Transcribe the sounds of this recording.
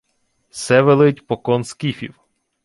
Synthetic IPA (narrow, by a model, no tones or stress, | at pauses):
sɛʋelˠɪtʲpɔkɔnskifʲiw